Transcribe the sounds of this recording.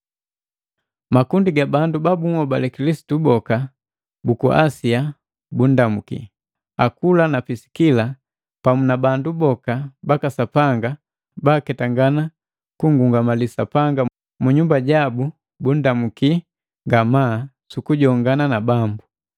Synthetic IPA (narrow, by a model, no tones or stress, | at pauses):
makundiɡabandubabuŋɔbalɛkilisi̥tubɔka | bukuʔa̰sia | bun̩damukḭ | akulanapisi̥kila | pamunabandubɔkabakasapaŋɡa | baːkɛtaŋɡana | kuŋɡuŋɡamalisapaŋɡa | muɲumbaɟabu | bun̩damuki | ŋɡamaː | sukuɟɔŋɡananabambu